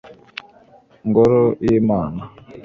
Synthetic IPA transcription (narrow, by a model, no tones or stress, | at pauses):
ŋɡɔɾojimaːna